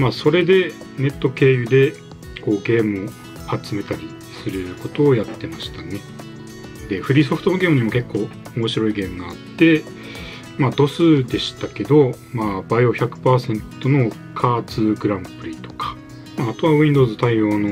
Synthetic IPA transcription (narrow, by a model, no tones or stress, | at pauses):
maːso̞ɾe̞d̪e̞ | ne̞t̪ːo̞ke̞ːjɯ̟d̪e̞ | ko̞ːɡe̞ːmɯ̟o | hat͡sɨme̞t̪aɾʲi | sɨɾɯ̟ko̞t̪o̞ːjat̪ːe̞maɕi̥t̪ane̞ | d̪e̞ɸɯ̟ɾʲiːso̞ɸɯ̟t̪o̞noɡe̞ːmɯ̟ɲ̟imo̞ke̞kːo̞ː | omo̞ɕiɾo̞iɡe̞ːmɯ̟ɡaːt̪ːe̞ | maːd̪o̞sɨd̪e̞ɕi̥t̪ake̞d̪o̞ | maːbaioçakɯ̟̥paːsẽ̞nt̪o̞no̞ | kʰaːt͡sɨːɡɯ̟ɾãmpɯ̟ɾʲit̪o̞̥kʰḁ | maːt̪o̞βaβ̟ĩnd̪o̞ːzɨt̪aijo̞ːno̞